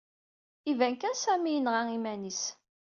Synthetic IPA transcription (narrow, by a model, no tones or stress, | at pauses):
ivænkænsæmijənʁaimænis